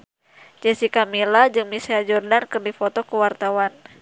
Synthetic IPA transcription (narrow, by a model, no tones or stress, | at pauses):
d͡ʒɛsikamilad͡ʒɨŋmisiad͡ʒɔrdankɨrdifɔt̪ɔkəwart̪awan